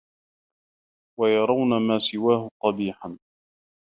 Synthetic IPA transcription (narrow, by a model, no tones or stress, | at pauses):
wajɑɾˤɑwnamaːsɪwaːhʊqɑbiːħan